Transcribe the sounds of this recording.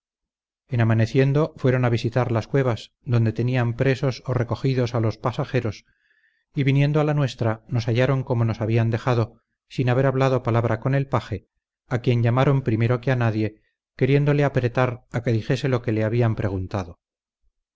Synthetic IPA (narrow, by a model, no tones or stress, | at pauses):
enamane̞θje̞nd̪o̞fwe̞ɾo̞naβ̞isit̪aɾlaskwe̞βaz | ðo̞nd̪et̪e̞niampɾe̞so̞so̞re̞ko̞xiðo̞salo̞spasaxe̞ɾo̞s | iβinje̞nd̪oalanwe̞st̪ɾano̞saʝaɾo̞ŋko̞mo̞no̞saβiand̪e̞xaðo̞ | sinaβe̞ɾaβlaðo̞palaβɾako̞ne̞lpaxe̞ | akje̞ɲʎamaɾo̞mpɾime̞ɾo̞keanaðje̞ | ke̞ɾje̞nd̪o̞leapɾe̞t̪aɾake̞ðixe̞se̞lo̞ke̞le̞aβiampɾʔe̞ɣ̞unt̪aðo̞